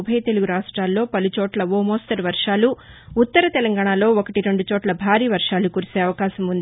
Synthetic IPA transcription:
bʱɐjt̪e̞luɡuɾaːʂʈɾaːlːo̞ːpɐlut͡ʃoːʈlɐʋoːmoːst̪ɐɾiʋɐɾʂaːluː | t̪ːɐɾɐt̪ɛlɐŋɡaːɳalo̞ːokɐʈiɾe̞ɳɖut͡ʃoːʈlɐbʱaːɾiːʋɐɾʂaːlukuːɾise̞ːɐʋɐkaːʃɐmund̪ii

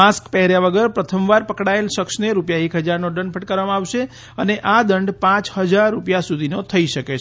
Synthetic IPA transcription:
askpɛɦɾjaʋəɡəɾpɾət̪ʰəmʋaɾpəkɽaelʃəksneɾupjaekɦəd͡ʒaɾnod̪əɳɖ̚pʰəʈ̚kəɾʋamãaʋʃe | əneʔad̪əɳɖpãt͡ʃɦəd͡ʒaɾːupjasud̪ʱinot̪ʰəiʃəket͡ʃʰ

